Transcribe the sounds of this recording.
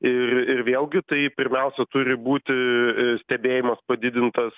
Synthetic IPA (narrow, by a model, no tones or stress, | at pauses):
ɪrɪrʋʲeːlˠɡʲɪt̪ɐɪpʲɪɾʲmʲɛˑʊsʲɛt̪ʊɾʲɪbuːt̪ʲɪsʲt̪ʲɛbʲeːjɪmɐspɐd̪ʲɪd̪ʲɪnt̪ɐs